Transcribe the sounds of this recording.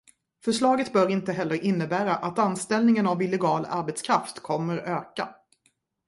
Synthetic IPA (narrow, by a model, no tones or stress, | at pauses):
fœʂɭɑːɡət̪bœɾɪnt̪əɦɛlːəɾʔɪnːəbæːɾaʔat̪anst̪ɛlnɪŋənavɪlːɛɡɑːla̰ɾbɛt̪skʰɾaft̪kʰɔmːəɾøːka̰